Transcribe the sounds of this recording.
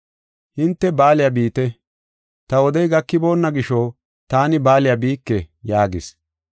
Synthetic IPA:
hɪnt̪ːɛbaːlɪjabiːt̪ɛ | t̪ɐwɔd̪ɛjɡɐkːɪbo̞ːnːɐɡɪʃo | t̪aːnɪbaːlɪjɐbiːkːɛjaːɡɪ̰s

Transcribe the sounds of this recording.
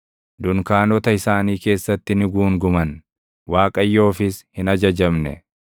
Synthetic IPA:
d̪ʊŋkaːnɔt̪ɐɪsaːniːke̞ːsːɐt̪ːɪnɪɡuːŋɡʊmɐn | waːkʼɐjːo̞ːfɪshɪnɐd͡ʒɐd͡ʒɐmnɛ̰

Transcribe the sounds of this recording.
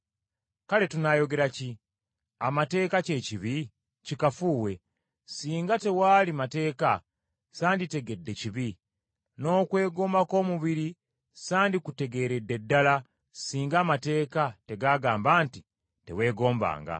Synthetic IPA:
kale̞tunajo̞ɡe̞ɾaci | amate̞ːkace̞ciβi | cikafuːwe̞ | siːŋɡate̞waːlimate̞ːka | saːndite̞ɡe̞dːe̞ciβi | no̞ːkwe̞ːɡo̞ːmbako̞ːmuβiɾi | saːndikute̞ɡe̞ːɾe̞dːe̞dːala | siːŋɡaːmate̞ːkate̞ɡaɡaːmbaːnti | te̞̰we̞ːɡo̞ːmba̰ːŋɡa̰

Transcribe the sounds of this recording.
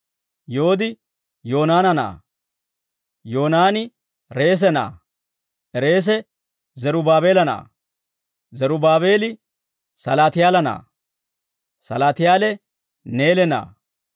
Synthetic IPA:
jo̞ːd̪ɪ | jo̞ːnaːnɐna̰ː | joːnaːnɪ | ɾe̞ːs̬ɛna̰ː | ʔɛɾe̞ːs̬ɛ | zɛɾʊbaːbe̞ːlɐna̰ː | zɛɾʊbaːβe̞ːlɪ | sɐlaːt̪ɪjaːlɐna̰ː | sɐ̰laːt̪ɪjaːlɛ | neːlɛna̰ː

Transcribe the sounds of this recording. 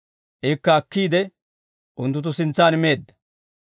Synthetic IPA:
ʔekːɐːkːiːd̪ɛ | ʔʊnt̪ːʊt̪̬ʊsɪnt͡sːaːnɪme̞ːd̪ːɐ̥

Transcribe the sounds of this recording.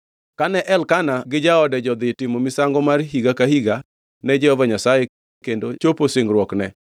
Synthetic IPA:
kanɛʔɛlkanaɡɪd͡ʒaɔdɛd͡ʒɔd̪ɪtɪmomɪsaŋɡɔmarɦiɡakahiɡa | nɛd͡ʒɛhɔvaɲasaje | kendot͡ʃoposɪŋɡɾwɔknɛ

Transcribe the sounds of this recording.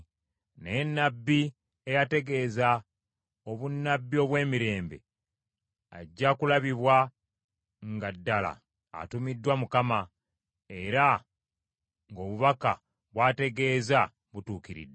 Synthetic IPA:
nenːabːi | e̞jate̞ɡe̞ːza | oβunːabːio̞βwe̞ːmiɾe̞ːmbe̞̰ | a̰ɟːakulaβiβwa | ŋɡadːala̰ː | tumidːwamukama | e̞ɾa | ŋɡo̞ːβuβaka | βwaːte̞ɡe̞ːza | βutuːkiɾḭdːe

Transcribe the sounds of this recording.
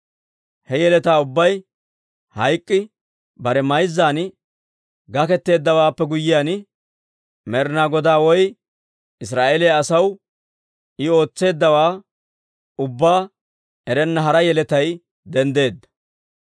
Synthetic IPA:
hɛjɛlɛt̪aːʊbːɐj | hɐjkʼːɪ | bɐɾɛmɐjzːaːn | ɡɐkɛt̪ːe̞ːd̪ːɐwaːpːɛɡʊjːɪjaːn | mɛɾnaːɡɔd̪aːwɔj | ɪs̬ɾaːʔeːlejɐsɐw | ɪo̞ːt͡sːe̞ːd̪ːɐwaː | ʊbːaː | ɛɾɛnːɐɦɐɾɐjɛlɛt̪ɐj | d̪ɛnd̪e̞ːd̪ːɐ̥

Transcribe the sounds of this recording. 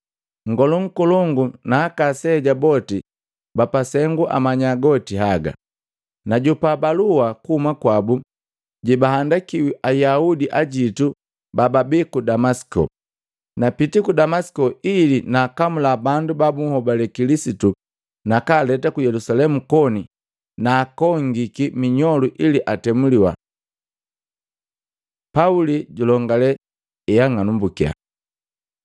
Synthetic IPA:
ŋ̩ɡɔlɔŋ̩kɔlɔŋɡunaːkasɛːɟabɔti | bapasɛŋɡuʔa̰maɲaɡɔtiɦaɡa̰ | naɟupabaluwakuhumakwabu | ɟɛbaɦandakiwiʔajaudiʔaɟitu | bababikudamasi̥kɔ̰ | napitikudamasi̥kɔilinaːkamulabandubabuŋ̩hɔbalɛkilisitu | nakalɛtakujɛlusalɛmukɔni | naːkɔŋɡikimiɲɔluʔiliʔatɛmuliwa̰ | pauliɟulɔŋɡalɛ | ɛjaŋanumbukia̰

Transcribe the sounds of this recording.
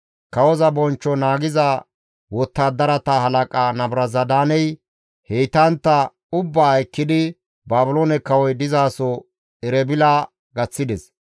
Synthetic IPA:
kɐwɔzɐbɔnt͡ʃːɔnaːɡɪza | wɔt̪ːaːd̪ɐɾɐt̪ɐhɐlɐkʼanɐbɾɐzɐd̪aːnɛj | hejt̪ɐnt̪ːɐ | ʊbːaːɐjkːɪd̪ɪ | baːbʊloːnɛkːɐwɔjd̪ɪzaːsɔ | ɛɾɛbɪlaː | ɡɐt͡sːɪd̪ɛs

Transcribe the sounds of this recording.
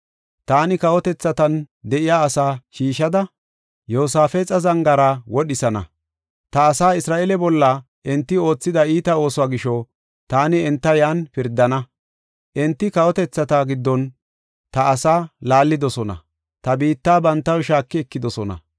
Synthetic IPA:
t̪aːnɪkɐwɔt̪ɛt͡sːɐt̪ɐn | d̪ɛʔɪjaːsaːʃiːʃɐd̪ɐ | joːsaːfɛt͡sʼɐzɐŋɡɐɾaːwɔɗɪsɐnɐ̰ | t̪ɐːsaːɪsɾaːʔɛlɛbɔlːɐ | ʔɛnt̪ːɪo̞ːt͡sːɪd̪ɐiːt̪ɐo̞ːsɔaːɡɪʃɔ | t̪aːnɪɛnt̪ːɐjanpɪɾd̪ːɐnɐ | ʔɛnt̪ːɪkɐwɔt̪ɛt͡sːɐt̪ɐɡɪd̪ːɔn | t̪ɐːsaːlaːlːɪd̪ɔsɔnɐ̰ | t̪ɐbiːt̪ːaːbɐnt̪ːɐwʃaːkːɪɛkːɪd̪ɔsɔnɐ̰

